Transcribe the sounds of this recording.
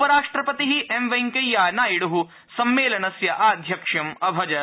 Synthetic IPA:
upɐɾaːʂʈɾɐpɐt̪iɦiʔemʋɐŋkɐjːaːnaːjiɽuɦu | sɐmːeːlɐnɐsjɐʔaːd̪ʱjɐkʂɐmɐbʱɐd͡ʒɐ

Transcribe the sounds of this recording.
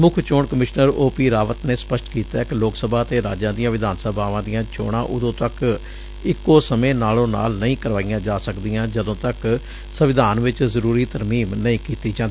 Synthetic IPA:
mʊkʰt͡ʃoːɳkəmɪʃnəɾoːpiːɾaːʋət̪neːspəʃʈkiːt̪aːkɪloːksəbʱaːt̪eːɾa̰ːd͡ʒãːd̪ijãːʋɪd̪aːnsəbʱaːʋãːd̪ɪjãːt͡ʃo̰ːɽã̰ːʔʊd̪õːt̪ək | ɪkːoːsəmẽːnaːlõːna̰ːlnəĩːkəɾʋaːijãːd͡ʒaːsəkd̪ijãːd͡ʒəd̪õːt̪ək | səʋɪd̪ʱaːnʋɪt͡ʃzəɾuːɾiːt̪əɾmiːmnəĩːkiːt̪iːd͡ʒãːnd̪i

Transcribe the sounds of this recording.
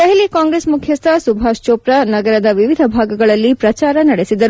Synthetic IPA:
d̪ɐɦɛlikaːŋɡɾesmukʰjɐst̪ɐsubʱaːʃt͡ʃoːpɾɐnɐɡɐɾɐd̪ɐʋiʋid̪ʱɐbʱaːɡɐɡɐɭɐlːipɾɐt͡ʃaːɾɐnɐɽesid̪ɐɾu

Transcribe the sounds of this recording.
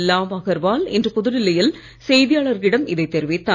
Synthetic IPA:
lːaːʋaːɣɐɾʋaːlɛ̰ndrɯpʊðɯɾɪlːɐjɪl | sɛjðɪjaːɭɐɾɣɪɽɐmɪðɐɪt̪ːɛɾɯʋɪt̪ːaː

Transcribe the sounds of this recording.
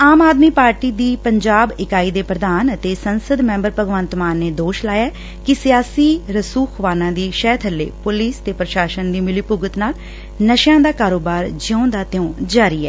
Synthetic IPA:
aːmaːd̪miːpaːɾʈiːd̪iːpəɲd͡ʒaːbɪkaːiːd̪eːpɾəd̪aːnət̪eːsənsəd̪mɛ̃ːmbəɾpəɡʋənt̪maːnːeːd̪oːʃlaːjaː | kɪsɪjaːsiːɾəsuːxʋaːnãːd̪iːʃɛːt̪ʰəlːḛːpʊliːst̪eːpɾəʃaːʃənd̪iːmɪliːpʊɡət̪naːl | nəʃjãːd̪aːkaːɾoːbaːɾd͡ʒõːd̪aːt̪ɪjõːd͡ʒaːɾiːɛ̰ː

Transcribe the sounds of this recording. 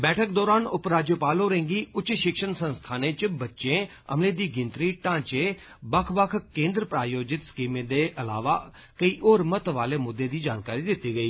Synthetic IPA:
bɛːʈʰək̚d̪ɔːɾaːnʊpɾaːd͡ʒjəpaːloːɾẽŋɡiːʔʊt͡ʃʃɪkʃənsə̃nst̪ʰaːnẽːt͡ʃbətːʃẽː | ə̰mlẽːd̪iːɡɪnt̪ɾiːʈãːt͡ʃeː | bəkʰʋəkʰkẽːnd̪ɾəpɾaːjoːd͡ʒɪt̪skiːmẽːd̪eːʔəla̰ːʋaː | kəiːʔoːɾmət̪ʋaːleːmʊd̪ːeːd̪iːd͡ʒaːnkaːɾiːd̪ɪt̪ːiːɡəiː

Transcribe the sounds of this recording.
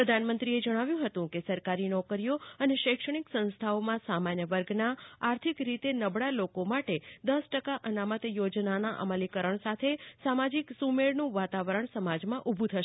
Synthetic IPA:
pɾəd̪ʱanmə̃nt̪ɾied͡ʒəɽ̃aʋjũɦət̪ũkesəɾkaɾinɔkəɾijoəneʃəkʂəɽ̃iksə̃nst̪ʰaomãsamanjəʋəɾɡʱnaːɾt̪ʰikɾit̪enəbɽalokomaʈed̪əsʈəkaʔənamət̪jod͡ʒnanaʔə̰məlikəɾəɳsat̪ʰesamad͡ʒiksumeɭnũʋat̪aʋəɾəɳsəmad͡ʒmãʔubʱũt̪ʰəʃe

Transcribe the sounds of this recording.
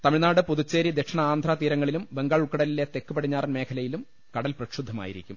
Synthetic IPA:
t̪ɐmiɻnaːɽɨpuðut͡ɕːeːɾid̪ekʂɐɳɐaːnd̪ʱraːt̪iːɾɐŋːɐɭilumʋe̞ŋɡaːɭukːɐɽɐlilet̪ekːupɐɽiɲːaːrnme̞ːkʰɐlɐjilum | kɐɽɐlprɐʂud̪ʱːɐma̰ːjiɾḭkʲːum

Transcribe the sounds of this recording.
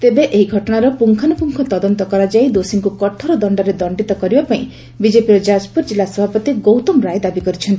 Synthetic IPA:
t̪ebeʔeɦiɡʱɔʈɔɽ̃aɾɔpuŋkʰanɔpuŋkʰɔt̪ɔd̪ɔnt̪ɔkɔɾad͡ʒaid̪osiŋkukɔʈʰɔɾɔd̪ɔɳɖɔɾed̪ɔɳɖit̪ɔkɔɾibapaĩ | bid͡ʒepiɾɔd͡ʒad͡ʒpuɾd͡ʒilːasɔbʱapɔt̪iɡowt̪ɔmɾajd̪abikɔɾit͡ʃʰɔnt̪i

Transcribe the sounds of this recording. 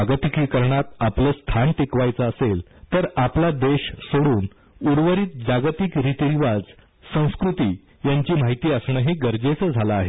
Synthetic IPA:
aɡt̪ikikəɾɳat̪apləːst̪ʰanʈekʋajt͡səːsel | t̪əɾaplad̪eɕsoɽuːn | uɾʋəɾiːt̪̚d͡ʑaɡt̪ikɾit̪iɾiʋad͡z | sə̃w̃skɾut̪iː | jaɲt͡ɕiːmaɦit̪iːəsɳəɦiːɡəɾd͡zet͡səːd͡zʱalaːɦe

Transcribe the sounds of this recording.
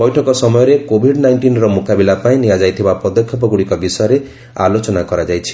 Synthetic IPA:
bɔjʈʰɔkɔsɔmɔjɔɾekobʱiɖnajɳʈinɾɔmukabilapaĩnijad͡ʒajt̪ʰibapɔd̪ɔkʰjɔp̬ɔɡuɽikɔbisɔjɔɾe | a̰lot͡ʃɔnakɔɾad͡ʒajt͡ʃʰi̥

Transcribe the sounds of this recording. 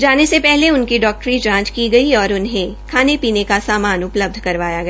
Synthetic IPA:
d͡ʒaːnesepɛɦleʊnkiɖɔːk̚ʈɾit͡ʃãːt͡ʃkiɡɐiɔːɾʊnɦẽkʰaːnepiːnekasaːmaːnʊpləb̚d̪ʱkɐɾʋaːjaɡɐ

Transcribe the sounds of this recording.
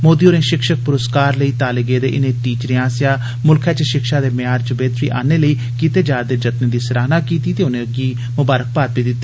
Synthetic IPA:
moːd̪iːoːnẽːʃɪkʃək̚pʊɾəskaːɾləiːt̪aːleɡeːd̪ḛːʔɪnẽːt̪iːt͡ʃɾeãːsjaː | mʊlkʰɛːt͡ʃəʃɪkʃaːd̪eːmɪjaːɾt͡ʃəbeːt̪ɾḭːʔa̰ːneːləiː | kiːt̪eːd͡ʒaːɾd̪eːd͡ʒət̪neːd̪iːsəɾaːɦnaːkiːt̪iːt̪eːʊnẽːəɡiː | mʊbaːɾək̚paːt̪̚piːd̪ɪt̪ːiː

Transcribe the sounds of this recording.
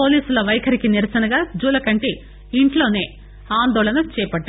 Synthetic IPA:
po̞ːliːsulɐʋɐjɐkʰɐɾikiniɾɐsɐnɐɡaːd͡ʒuːlɐkɐɳʈiː | ɳʈlo̞ːne̞ː | aːnd̪ɔːɭɐnɐt͡ʃɛːpɐʈːa

